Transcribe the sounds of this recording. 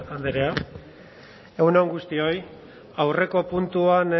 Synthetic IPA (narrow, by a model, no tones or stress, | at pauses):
and̪eɾea | e̞uneoŋɡust̪io̞j | awre̞ko̞punt̪uan